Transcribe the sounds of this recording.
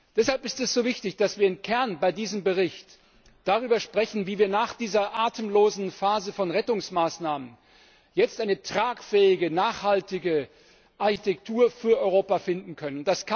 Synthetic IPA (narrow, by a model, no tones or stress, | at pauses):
d̥ɛshalpɪstɛsz̥oːvɪçtɪçd̥asv̥iːɐɪmkʰɛɐnbaɪdiːzəmbəʁɪçt | d̥aʁ̞yːbɐʃpʁ̥ɛçn̩viːviːɐnaːχd̥iːzɐʔaːtʰəmloːzn̩faːzəfɔnʁɛtʊŋsmaːsnaːmən | jɛt͡stʔaɪnətʁ̥aːkfɛːɪɡənaːχhaltɪɡə | ʔaɐçitʰɛk̚tʰuːɐfyːɐʔɔʏʁ̞oːpafɪndn̩kʰœnənʊnd̥askʰa